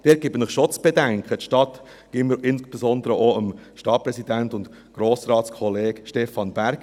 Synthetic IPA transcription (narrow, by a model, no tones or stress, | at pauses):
d̥ɛːt̚ɡ̥ɪbənɪχʃot͡sb̥edæŋkχət̪ʃtɑt̪ | ɡ̥ɪməɾɪnsb̥esɔnd̪əɾəʔoəmʃtɑt̚pɾɛsidæntʊnt | ɡ̥ɾoːsɾɑːtskʰχɔleːɡʃtɛfɑnbæɾɡ